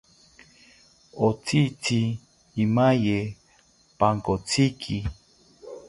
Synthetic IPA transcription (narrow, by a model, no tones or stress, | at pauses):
ot͡sʰit͡sʰiː | maje | paŋkot͡sʰikʰi